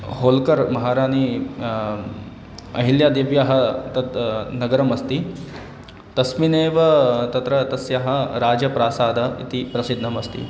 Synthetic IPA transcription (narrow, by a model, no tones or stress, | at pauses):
ɦoːlkɐɾmɐɦaːɾaːni | ɐ̰ɦiljad̪eːʋjaɦɐt̪ɐt̪nɐɡɐɾɐmɐst̪i | t̪ɐsmineːʋɐt̪ɐt̪ɾɐt̪ɐsjaɦɐɾaːd͡ʒɐpɾaːsaːd̪ɐḭt̪ipɾɐsid̪ʱnɐmɐst̪ḭ